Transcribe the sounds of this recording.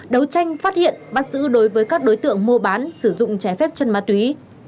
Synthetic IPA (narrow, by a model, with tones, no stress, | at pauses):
ɗə˨˦wt͡ɕa˧jŋ̟faː˦˥t̚hḭ˧˨ənɓa˦˥t̚zɨ̰˧˥ɗo˨˦jvəː˨˦jkaː˦˥k̚ɗo˨˦jt̪ɨ̰˧˨əŋmu˧ɓaː˨˦nsɨ˧˩zʊ̰˧˨ŋ͡mt͡ɕɛ˨˦fɛ˦˥p̚t͡ɕə˧nmaː˨˧t̪wi˨˦